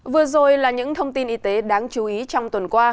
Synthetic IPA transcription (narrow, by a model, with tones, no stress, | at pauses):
vɨ˨˩əzo˨˩jlaː˨˩ɲɨ̰˧˥ŋt̪ʰə˧wŋ͡mt̪i˧nʔi˧t̪e˨˦ɗaː˨˧ŋt͡ɕu˨˦ʔi˨˦t͡ɕɔ˧wŋ͡mt̪wə˨˩nkwaː˧